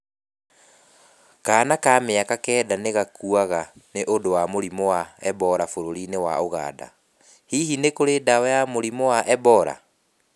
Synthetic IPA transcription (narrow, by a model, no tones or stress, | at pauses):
kaːnakaːmeakakɛːdaneɣakuaɣaneʔodowamoɾimowaɛbɔɾafoɾoɾinewa̰oɣa̰ːda̰ | hihinekoɾedawɛjamoɾimowaʔɛbɔɾa̰